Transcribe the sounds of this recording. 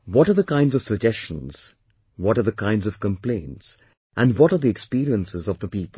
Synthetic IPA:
wɔɾəðəkãɪ̃ndzɔv̥səd͡ʒɛst͡ʃə̃nz̥ | wɔɾə˞ðəkʰãɪ̃ndzʌv̥kə̃mplẽɪ̃nts | ʔæ̃ndwɔɾəðiɛkspiːɾiə̃nsɪzɔvðəpiːpə

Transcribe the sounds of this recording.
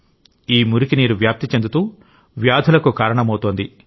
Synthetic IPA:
iːmuɾukiniːɾuʋjaːp̚t̪it͡ʃend̪ut̪uː | ʋjaːd̪ʱulɐkukaːɾɐɳɐmɐwt̪oːnd̪i

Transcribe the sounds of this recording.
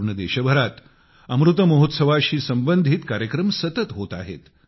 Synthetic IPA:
ɳəd̪eɕəbʱəɾat̪ | əmɾut̪əməɦot̪səʋaɕiːsəmbənd̪ʱit̪kaɾjəkɾəmsət̪ət̪ɦot̪a̰ɦḛt̪

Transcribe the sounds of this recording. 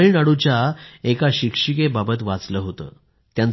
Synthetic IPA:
ɭnaɽut͡ɕjaekaɕikʂikebabət̪ʋat͡sləɦot̪ə̰ː | t̪jãn

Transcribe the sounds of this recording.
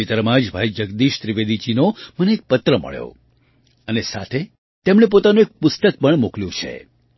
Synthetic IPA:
it̪əɾmãd͡ʒbʱaid͡ʒəɡd̪iʃt̪ɾiʋed̪id͡ʒinoməneek̚pət̪ɾəmə̰ɭjo̰ | ənesa̰t̪ʰe | t̪emɽ̃ep̬ot̪anũek̚pʊst̪ək̚pəɳmukljũt͡ʃʰḛ

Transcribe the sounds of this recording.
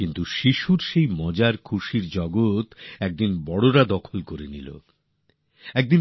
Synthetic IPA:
kint̪uʃiʃuɾʃejmɔd͡ʑaɾkʰuʃiɾd͡ʑɔɡot̪ɛk̚d̪inbɔɽoɾad̪ɔkʰolkoɾenilo̰ | ɛk̚d̪in

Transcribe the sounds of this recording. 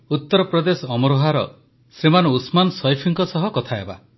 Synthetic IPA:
ut̪ːɔɾɔpɾɔd̪esɔɔmɔɾoɦaɾɔ̰ | sɾemanɔusmansɔjpʰiŋkɔsɔɦɔkɔt̪ʰaeba̰

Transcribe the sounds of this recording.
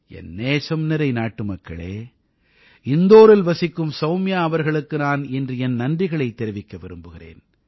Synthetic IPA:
ʔɛ̰nːeːsɐmnɪɾɐɪnaːʈːɯmɐkːɐ̰ɭeː | ɪnd̪oːɾɪlʋɐsɪkːɯmsɐʊmɪjaːɐʋɐɾɣɐɭɯkːɯnaːnɛndrɯɛnnɐndrɪɣɐɭɐɪt̪ːɛɾɪʋɪkːɐʋɪɾɯmbɯɣɪrḛːn

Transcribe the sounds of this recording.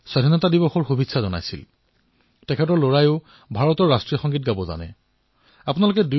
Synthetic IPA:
sadʱinɔtadibɔxɔɹxubitsʰazɔna̰jsḭl | tɛkʰɛtɔɹloɹajʊ | bʱaɹɔtɔɹːastɹixɔŋɡit̚ɡabɔza̰nɛ̰ | apunalok̬ɛdu

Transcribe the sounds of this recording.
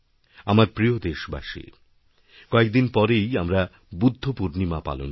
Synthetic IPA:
amaɾpɾijod̪eʃba̰ʃḛ | kɔek̚d̪inpɔɾejamɾa | bud̪ʱːopuɾnimapa̰lo̰n

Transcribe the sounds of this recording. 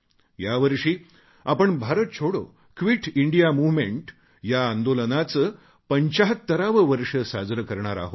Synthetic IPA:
jaʋəɾʂiː | apəɳbʱaɾət̪̚t͡ɕʰoɽo̰ | kʋiʈʰiɳɖijamuʋmeɳʈ | jaːnd̪olənat͡sə | pəɲt͡ɕaɦət̪ːəɾaʋəʋəɾʂəsad͡zɾəkəɾɳaɾa̰ɦo

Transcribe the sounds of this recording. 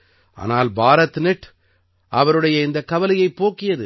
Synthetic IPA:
ʔa̰ːnaːlbʱaːɾɐt̪ːɯnɛʈː | ʔɐʋɐɾɯɽɐjɐɪnd̪ɐkːɐʋɐlɪjɐɪpːoːkːɪjɐðɯ

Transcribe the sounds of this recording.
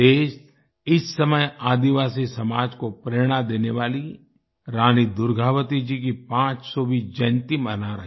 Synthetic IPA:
eːʃ | ɪsːɐməjaːd̪iʋaːsisɐmaːd͡ʒkopɾeːɽ̃ad̪eːneʋaːli | ɾaːnid̪ʊɾɡʱaːʋət̪id͡ʒik̬ipãːt͡ʃsɔbʱid͡ʒɐnt̪imənaɾɐ

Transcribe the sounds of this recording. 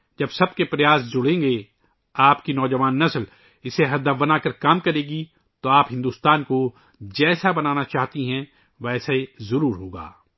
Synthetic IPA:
d͡ʒɐbsɐbkepɾɐjaːsd͡ʒʊɽẽːɡe | aːpkinɔːd͡ʒɐʋaːnːɐsl | ɪseɦɐd̪əbɐnaːkəɾkaːmkɐɾeːɡi | t̪oaːpɦɪ̃nd̪uːst̪aːnko | d͡ʒɛːsabɐnaːnat͡ʃaːɦt̪iɦɛ̃ | ʋɛːsaizɐɾuːɾɦoːɡa̰ː

